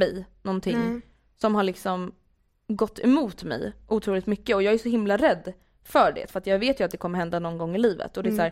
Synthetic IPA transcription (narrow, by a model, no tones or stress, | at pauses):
ɛjnɔnt̪ʰɪŋ | sɔmɦaɭɪksɔm | ɡɔt̪ːɛmuːt̪mɛ̰jʔuːt̪ʰɾuːlɪt̪mʏkːəɔjɑːɡæʂɔhɪmlaɾɛd̪ː | fœɖɛ̰fœɾat̪jɑːɡveːt̪jəat̪̚d̪ɛkʰɔmːəɾhɦɛnd̪anɔnɡɔŋːɪliːvə̰t̪ɔd̪ɛsæːɾ